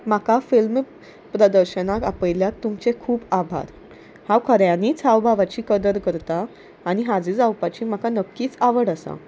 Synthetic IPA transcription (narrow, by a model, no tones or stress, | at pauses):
m̤akafilm | pɾəd̪əɾɕənakapəjljak̚t̪umt͡sekʰuːpabʱa̰ɾ | hãwkʰəɾjanit͡sʰawbʱaʋat͡ɕiːkəd̪əɾkəɾt̪aː | ɽ̃iɦad͡zid͡zawpat͡ɕiːm̤akanəkːiːt͡saʋəɽasa̰